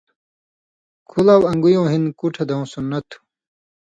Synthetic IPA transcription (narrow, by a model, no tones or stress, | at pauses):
kʰulawɐ̃ŋɡujõːɦinkuʈʰed̪ɐũsunːɐt̪ʰu̥